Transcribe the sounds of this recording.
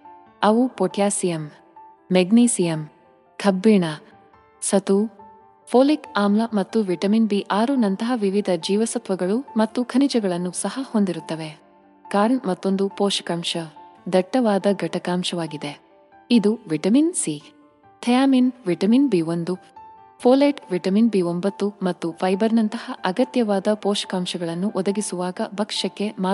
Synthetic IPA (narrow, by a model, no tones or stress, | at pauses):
ɐʋupoːʈʰjaːsijɐmː | eɡniːsijɐm | kʰɐbːiɳa | sɐt̪u | pʰoːlikaːmlɐmɐt̪ːuʋiʈɐminbiʔaːɾunɐnt̪ɐɦɐʋiʋid̪ʱɐd͡ʒiːʋɐsɐt̪ʋɐɡɐɭumɐt̪ːukʰɐnid͡ʒɐɡɐɭɐnːusɐhɐhond̪iɾut̪ːɐʋe̞ | kaːɾɳmɐt̪ːo̞nd̪upoːʃɐ̥kɐmʃɐd̪ɐʈːɐʋaːd̪ɐɡɐʈɐkaːmʃɐʋaːɡid̪e | id̪uʋiʈɐminsi | t̪ʰɐjaːminʋiʈɐminbiːond̪u | pʰoːlɐʈʋiʈɐminbiombɐt̪ːumɐt̪ːupʰɐjbɐɾnɐnt̪ɐhɐʔɐɡɐt̪jɐʋaːd̪ɐpɔːʃɐ̥kaːmʃɐɡɐɭɐnːuʔɔd̪ɐɡisuʋaːɡɐbɐkʂɐkːe̞maː